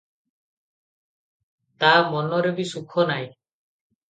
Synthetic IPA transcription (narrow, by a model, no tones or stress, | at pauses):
t̪amɔnɔɾebisukʰɔnaj